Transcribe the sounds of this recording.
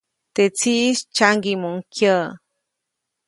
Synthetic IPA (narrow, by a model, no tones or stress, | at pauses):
t̪et͡siʔʃt͡ʃaŋɡimoŋkjə